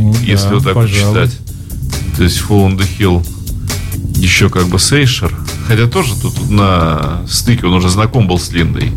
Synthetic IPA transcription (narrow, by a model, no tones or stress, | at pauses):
jesʲlʲɪvot̪akpt͡ɕːɪt̪atʲ | t̪o̞ɪsʲtʲfolˠənd̪ɨxʲilˠ | jɪɕːokaɡ̚bɨsejʂər | xɐtʲat̪o̞ʐɨt̪ot̪ut̪nəst̪ɨkʲɪo̞nʊʐɛznɐko̞mbɨlˠsʲlʲind̪ə̰j